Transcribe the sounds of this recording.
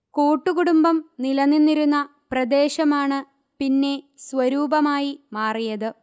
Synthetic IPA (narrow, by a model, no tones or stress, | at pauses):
koːʈːukuɽumbɐmnilɐnːinːiɾunːɐ | prɐd̪eːɕɐmaːɳɨ | pinːe̞sʋɐɾuːbɐmaːjimaːrijɐðɨ